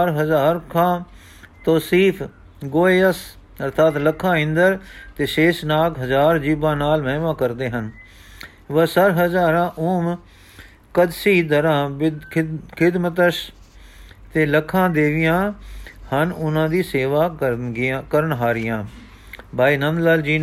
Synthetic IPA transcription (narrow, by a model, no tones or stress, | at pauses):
ɾɦəzaːɾkʰãː | t̪oːsiːfʰ | ɡoːeːəs | əɾt̪ʰaːt̪ləkʰːãːɪ̃nd̪əɾt̪eːʃeːʃnaːkɦəzaːɾd͡ʒiːbãːnaːlmɛ̃ːʋãːkəɾd̪eːɦən | ʋəsəɾɦəzaːɾãːʔʊːm | kəd̪siːd̪əɾãːbɪkʰɪd̪mət̪əs | t̪eːləkʰːãːd̪eːʋɪjãːhənʊnãːd̪iːseːʋaːəɡkəɾənɦaːɾɪjãː | bʱaːiːnənd̪laːld͡ʒiː